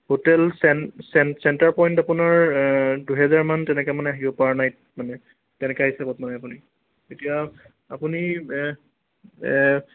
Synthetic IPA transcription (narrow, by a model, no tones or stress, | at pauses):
hotɛlsɛnsɛnsɛntaɹpɔjntapʊnaɹduɦɛzaɹmantɛnɛkɛmanɛaɦibɔpawanaj | manɛ | tɛnɛkaɦisabɔtmanɛapuni | etija | apuni